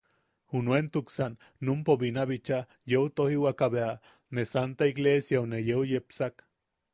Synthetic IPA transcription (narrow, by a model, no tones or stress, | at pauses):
hunwent̪uksanː | umpobinaβit͡ʃa | jeut̪ohiwakaβea | nesant̪aiɣlesjaonejeujepsak